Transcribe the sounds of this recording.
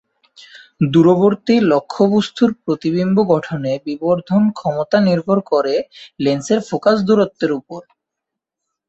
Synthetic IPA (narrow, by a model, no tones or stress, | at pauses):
d̪uɾoboɾt̪ilokʰːobust̪ʰuɾpɾot̪iβimboɡɔʈʰonebiboɾd̪ʱonkʰɔmot̪aniɾbʱoɾkoɾelenseɾfokasd̪uɾot̪ːeɾupoɾ